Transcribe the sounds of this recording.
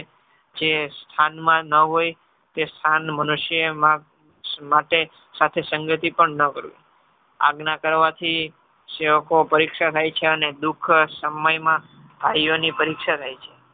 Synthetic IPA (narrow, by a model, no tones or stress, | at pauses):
d͡ʒest̪ʰanmãnəɦoj | t̪est̪ʰanmənuʃəma | maʈe | sat̪ʰesəŋɡət̪ipəɳnəkəɾʋḭ | a̰ɡnakəɾʋat̪ʰi | seʋəkopəɾikʃat̪ʰajt͡ʃʰeəned̪ukʰsəməjmã | b̪ʱajonipəɾikʃat̪ʰajt͡ʃʰe̥